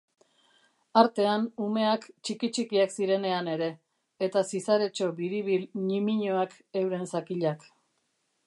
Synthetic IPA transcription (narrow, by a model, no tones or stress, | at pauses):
aɾt̪e̞anume̞akt͡ʃikit͡ʃikiaksiɾe̞ne̞ane̞ɾe̞ː | t̪asisaɾe̞t͡ʃo̞βiɾiβilɲimiɲoak | e̞wɾe̞nsakiʎak